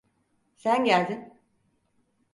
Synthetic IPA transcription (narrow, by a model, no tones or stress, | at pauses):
sænɟælʲd̪in